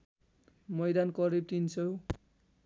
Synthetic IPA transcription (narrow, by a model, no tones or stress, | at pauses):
mʌjd̪ankʌɾib̚t̪insʌw